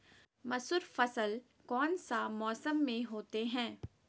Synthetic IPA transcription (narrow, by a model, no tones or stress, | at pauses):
mɐsʊɾfɐsəl | kɔːnsamɔːsəmːẽɦoːt̪eɦɛ̃ː